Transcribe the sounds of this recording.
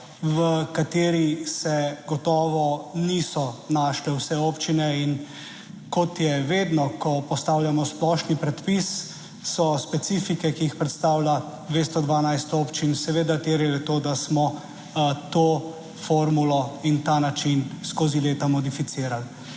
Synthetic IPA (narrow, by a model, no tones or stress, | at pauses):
ʋəkat̪eːɾisɛɡɔt̪ɔːʋɔnisɔnaːʃlɛwsɛoːpt͡ʃinɛin | kɔt̪jɛʋeːd̪nɔkɔpɔst̪awlʲjamɔsplɔːʃnipɾɛt̪pisː | ɔspɛt̪sifikɛkiixpɾɛt̪st̪aːwla | d̪ʋeːst̪ɔd̪ʋanajst̪oːpt͡ʃinsɛʋeːd̪at̪eːɾɛlɛt̪od̪asmɔ | t̪o | foɾmulɔint̪anat͡ʃinskoːzileːt̪amɔd̪ifit̪siːɾal